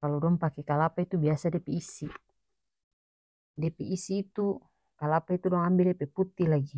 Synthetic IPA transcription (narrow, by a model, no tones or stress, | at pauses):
kaludɔŋpakekalapait̪ubiasadepiːsːi | depiʔisːiːt̪u | kalapait̪udɔŋambilepeput̪ːilaɡi